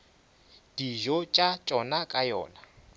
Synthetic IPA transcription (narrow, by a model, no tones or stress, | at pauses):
d̥iʒɔt͡ʃʼat͡ʃʼɔnakʼajɔ̰ːna